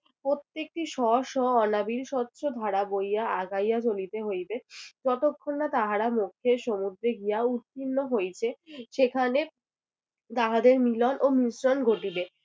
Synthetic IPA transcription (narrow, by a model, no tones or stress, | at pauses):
pɾot̪ːek̚ʈiʃɔʃɔɔnabilʃɔt̪ːɕʰod̪ʱaɽabojaaɡajat͡ɕolit̪eɦojbet͡ɕɔʈokʰːonːat̪aɦaɾamukʰːeɾʃomud̪ɾeɡijaut̪ːinːoɦojt͡ɕʰeʃekʰane | t̪aɦad̪eɾmilɔnʔomisɾɔnɡʱoʈibe